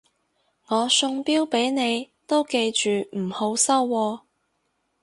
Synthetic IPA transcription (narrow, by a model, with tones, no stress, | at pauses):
ŋɔː˨˧sʊ˧ŋpiː˥wpe˨˥jne˨˧j | t̪o˥wke˧jt͡ʃyː˨m̩˨˩ho˨˥wsɐ˥wːɔː˧